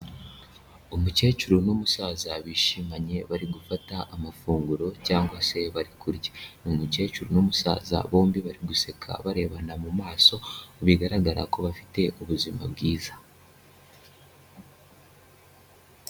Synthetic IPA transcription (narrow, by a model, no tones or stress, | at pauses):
omuce̞ːt͡ʃuɾunomusaːzaβiːʃimaɲe̞βaɾiɡufataʔːmafuːŋɡuɾo̞caːŋɡwase̞βaɾikʰuɾɟenomuce̞ːt͡ʃuɾunomusa̰ːza̰βo̞ːmbiβaɾiɡuse̞kʰa̰βaɾe̞ːβanamumaːso̞βiɡaɾaɡaɾa̰ko̞βafi̥te̞ʔuβuzima̰bɡiːzḁ